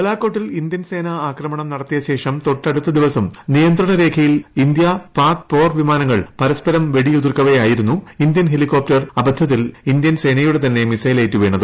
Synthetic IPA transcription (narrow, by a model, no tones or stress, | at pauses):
ɐlaːkːo̞ːʈːilind̪jɐnse̞ːnɐaːkrɐmɐɳɐmnɐɽɐt̪ːijɐɕe̞ːʂɐmt̪o̞ʈːɐɽut̪ːɐd̪iʋɐsɐmnijɐnd̪ɾɐɳɐɾe̞ːkʰɐjilind̪jɐpaːrkpo̞ːrʋimaːnɐŋːɐɭpɐɾɐspɐɾɐmʋe̞ɽijud̪irkːɐʋejaːjiɾunːuind̪jɐnɦe̞likːo̞ːp̚tɐrɐbɐd̪ʱːɐðilind̪jɐnse̞ːnɐjuɽe̞t̪ɐnːe̞misɐjleːtːuʋe̞ːɳːɐðɨ